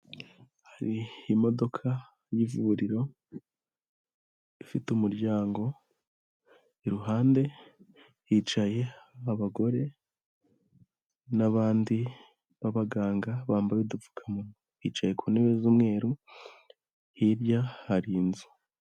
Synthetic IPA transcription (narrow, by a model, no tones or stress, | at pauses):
haɾiimo̞do̞kʰa | jivuuɾiɾo̞ | ifitumuɾɟaːŋɡo̞ | eɾuɦaːnde̞ | hit͡ʃaje̞aβaɡo̞ɾe̞ | naβaːndi | βaβaɡaːŋɡaβaːmbaβidufu̥kʰamunuhiːt͡ʃaje̞kʰuːneβezumŋe̞ːɾu | hiɾɟahaɾinzu̥